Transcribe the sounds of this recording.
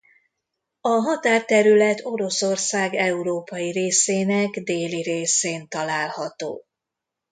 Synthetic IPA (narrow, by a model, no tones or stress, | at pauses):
ɒɦɒt̪aːrt̪ɛɾylɛt̪ʰo̞ɾo̞so̞rsaːɡɛuɾoːpɒjiɾeːseːnɛɡd̪eːliɾeːseːnt̪ɒlaːlhɒt̪o̰ː